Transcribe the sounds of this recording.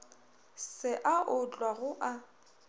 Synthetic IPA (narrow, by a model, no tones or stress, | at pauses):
sɪʔaʔʊt͡ɬʼwaɣʊʔa